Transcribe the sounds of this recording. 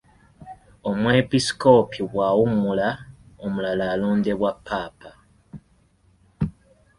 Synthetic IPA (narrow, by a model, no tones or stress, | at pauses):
o̞mwe̞pisko̞pʰiβwawumulaomulalaːluːnde̞βwapʰːaːpa